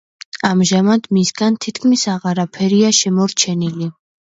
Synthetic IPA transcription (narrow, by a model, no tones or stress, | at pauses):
amʒamad̪misɡant̪ʰit̪ʰkʰmisaʁaɾapʰɛɾiaʃɛmɔɾt͡ʃʰɛnili